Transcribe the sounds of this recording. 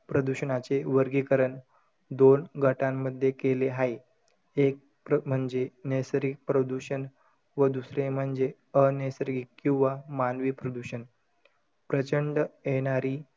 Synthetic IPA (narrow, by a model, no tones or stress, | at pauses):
pɾəd̪uɕənat͡seʋəɾɡikəɾəɳ | d̪onɡʱəʈãmːəd̪ʱːjekeleɦaj | ek̚ | pm̤əɳd͡zenesɾik̚pɾəd̪uɕən | ʋəd̪usɾem̤əɳd͡ze | ənesɾikkːĩw̃ʋamanʋiːpɾəd̪uɕən | pɾət͡ɕəɳɖjeɽ̃aɾiː